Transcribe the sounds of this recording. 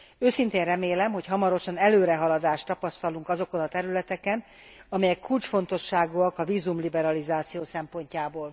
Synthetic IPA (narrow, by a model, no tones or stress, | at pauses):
øːsint̪eːnrɛmeːlɛmɦo̞chɒmɒɾo̞ʃɒnɛløːɾɛɦɒlɒd̪aːʃt̪ɒpɒst̪ɒluŋkɒzo̞ko̞nɒt̪ɛɾylɛt̪ɛkɛn | ɒmɛjɛkːult͡ʃfo̞nt̪o̞ʃːaːɡuɒkɒviːzumlibɛɾɒlizaːt̪sijoːsɛmpo̞ɲcaːboːl